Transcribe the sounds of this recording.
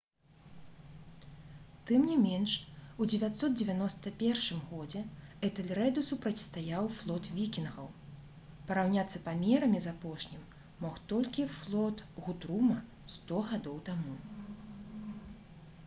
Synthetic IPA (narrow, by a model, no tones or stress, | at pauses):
t̪ɨmnʲimʲɛnʂud͡zʲɛvʲat̪sɔt̪̚d͡zʲɛvʲanɔst̪ɐpʲɛrʂɨmɣɔd͡zʲɛɛt̪ɛlʲɾɛd̪usupɾɐt͡sʲst̪ajawflˠɔt̪vʲikʲinɣɐ̰w | pɐɾawnʲat̪sːɐpamʲɛɾɐmʲizapɔʂnʲimː | ɔxt̪ɔlʲkʲiflˠɔt̪ɣut̪ɾumɐ | st̪ɔɣad̪ɔwt̪amu